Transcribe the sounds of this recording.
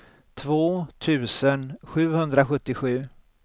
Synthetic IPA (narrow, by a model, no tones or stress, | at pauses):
t̪ʰvoːt̪ʰʉ̟ːsənɧʉ̟ːhɵnd̪ɾaɧɵt̪ːɪɧʉ̟ː